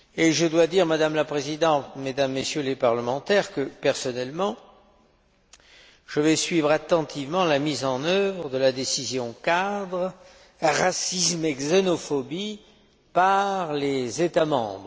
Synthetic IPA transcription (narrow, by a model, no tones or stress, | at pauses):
eʒəd̪wad̪iʁmad̪amlapχezid̪ɑ̃t̪med̪amːesjølepaʁləmɑ̃t̪ɛʁkəpɛʁsɔnɛlmɑ̃ | ʒ̥əvɛsɥivʁat̪ɑ̃t̪ʰivmɑ̃lamizɑ̃nœvʁəd̪əlad̪esizjɔ̃kad̪ʁ | ʁasismɛɡzenɔfɔbi | paʁlezet̪amɑ̰̃bʁə